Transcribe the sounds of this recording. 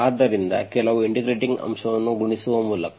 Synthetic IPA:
aːd̪ɐɾind̪ɐ̰kɛlɐʋuiɳʈiɡɾeːʈiŋɡɐ̰mʂɐʋɐnːuɡuɳisuʋɐmuːlɐk

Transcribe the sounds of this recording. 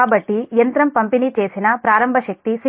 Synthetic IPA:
aːbɐʈːijɐnt̪ɾɐmpɐmpinit͡ʃeːsinɐpɾaːɾɐmbʱɐʃɐk̚t̪isi

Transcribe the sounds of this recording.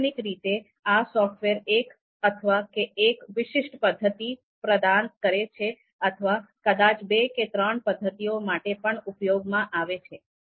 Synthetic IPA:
nikɾit̪e | asɔfʈʋeɾek | ət̪ʰəʋakeːkʋɪʃɪʃʈpəd̪ʱːət̪i | pɾəd̪ankəɾet͡ʃʰe | ət̪ʰəʋakəd̪at͡ʃbeket̪ɾəɳpəd̪ʱːət̪ijomaʈepəɳupjoɡmãʔaʋet͡ʃʰe

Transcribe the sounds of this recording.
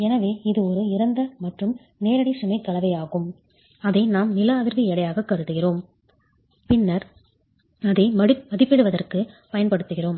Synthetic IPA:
ɛnɐʋeːɪðɯɔɾɯɪɾɐnd̪ɐmɐʈrɯm | neːɾɐɽisʊmɐɪkːɐɭɐʋɐɪaːɣɯm | ɐðɐɪnaːmnɪlɐːʋɪɾʋiɛɽɐjaːɣɐkːɐɾɯt̪ːɯɣɪroːm | pɪnːɐɾ | ɐðɐɪmɐmɐðɪpːɪɽɯʋɐðɐrkɯ | pɐjɐnpɐɽɯt̪ːɯɣɪroːm

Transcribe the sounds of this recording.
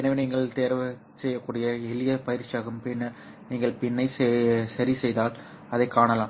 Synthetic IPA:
ɛnɐʋeniːŋɡɐɭt̪eːɾʋɐ | sɛjːɐkːuːɽɪjɐɛlɪjɐpɐjɪɾt͡ʃɪjaːɣɯmpɪnːɐɾ | niːŋɡɐɭpɪnːɐɪssɐɾisɛjðaːl | ɐðɐɪkːaːɳɐlaːm

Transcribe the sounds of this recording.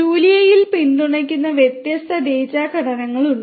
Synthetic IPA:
uːlijɐjilpinɖ̪uɳɐk̬ʲːunːɐʋjet̪jɐst̪ʰɐd̪eːt͡ɕaːkɐɽɐnɐŋːɐɭuɳ

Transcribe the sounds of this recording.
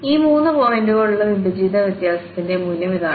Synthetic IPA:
iːmuːnːɨpo̞ːjɐnduɣoɭuɭːɐʋibid͡ʑiːd̪ɐʋit̪jaːsɐt̪ːinde̞munjɐmiðaːɳɨ

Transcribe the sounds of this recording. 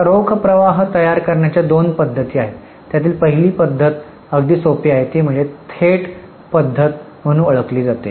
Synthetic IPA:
ɾokʰpɾəʋaɦt̪əjaɾkəɾɳjat͡ɕjad̪onpəd̪ʱːət̪iːaɦe | t̪jat̪iːlpəɦiliːpəd̪ʱːət̪ | əɡd̪iːsopiːaɦet̪iːm̤əɳd͡zet̪ʰeʈ | pəd̪ʱːət̪̚ | m̤əɽ̃ũəɭəkliːd͡zat̪ḛ

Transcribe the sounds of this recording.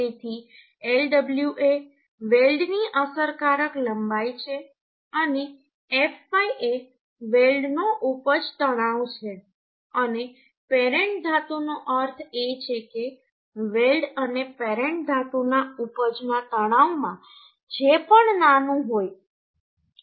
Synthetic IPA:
et̪ʰi | elɖəbljuʔe | ʋelɖniʔəsəɾkaɾəkləmbajt͡ʃʰe | əne | efaje | ʋelɖnoʔupəd͡ʒt̪əɽ̃aʋt͡ʃʰe | əne | peɾeɳʈ̚d̪ʱat̪unoʔəɾt̪ʰet͡ʃʰeke | ʋelɖənepeɾeɳʈ̚d̪ʱat̪unaupəd͡ʒnãt̪əɽ̃aʋmã̰ | d͡ʒepəɳnanũɦoj

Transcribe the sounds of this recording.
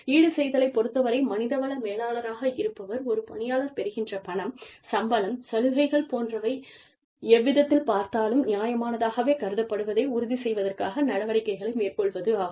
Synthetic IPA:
iːɽɯsɛjðɐlɐɪpːɔɾɯt̪ːɐʋɐɾɐɪmɐnɪðɐʋɐɭɐmeːlaːlɐɾaːɣɐɪɾɯpːɐʋɐɾɔɾɯpɐ̰ɳɪjaːlɐɾpɛɾɯɣɪndrɐpɐɳɐmsɐmbɐlɐmsɐlɯɣɐɪɣɐɭpoːndrɐʋɐɪ | ɛʋːɪðɐt̪ːɪlpaːɾt̪aːlɯmnɪjaːjɐmaːnɐðaːɣɐʋeːkɐɾɯðɐpːɐɽɯʋɐðɐɪʊɾʊðisɛjʋɐðɐrkaːɣɐnɐɽɐʋɐɽɪkːɐɪɣɐɭɐɪmeːrkɔɭʋɐðɯaː

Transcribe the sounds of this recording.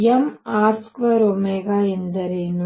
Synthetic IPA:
jɐmaːɾskʋɐɾoːmeːɡaːind̪ɐɾeːn

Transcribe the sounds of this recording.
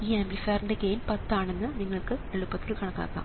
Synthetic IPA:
iːemblifaːɾɳɖeɡeːnpɐt̪ːaːɳe̞nːɨniŋːɐɭkɨeɭupːɐt̪ːilkɐɳɐkːa̰ːkːa̰ːm

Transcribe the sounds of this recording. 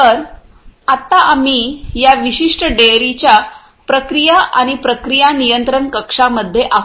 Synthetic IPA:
əɾ | at̪aʔam̤ijaʋiɕiʂʈəɖeɾit͡ɕja | pɾəkɾijaʔaɽ̃ipɾəkɾijanijənt̪ɾəɳkəkʂaməd̪ʱːjeʔaɦ

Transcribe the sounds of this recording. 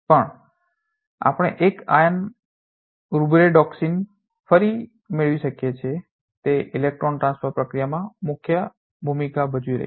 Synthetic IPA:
pəɳ | a̰pəɽ̃eʔeka̰jən | ɾubɾeɖɔksin | fəɾi | meɭʋiʃəkjet͡ʃʰe | t̪eʔɪlek̚ʈɾonʈɾãnsfəɾpɾəkɾijamãmʊkʰjə | bʱumikabəd͡ʒʋiɾə̰ɦi

